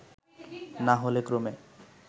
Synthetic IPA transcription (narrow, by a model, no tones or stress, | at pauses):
naɦolekɾome